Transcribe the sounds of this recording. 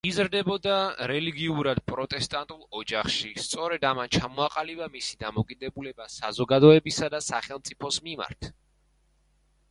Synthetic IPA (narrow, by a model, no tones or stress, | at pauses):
izɾd̪ɛbɔd̪aɾɛliɡiuɾad̪̚pʼɾɔt̪ʼɛst̪ʼant̪ʼulˠɔd͡ʒaχʃist̪sʼɔɾɛd̪amant͡ʃʰamɔaqʼalibamisid̪amɔkʼid̪ɛbulɛbasazɔɡad̪ɔɛbisad̪asaχɛlˠmt̪sʼipʰɔsmima̰ɾt̪ʰ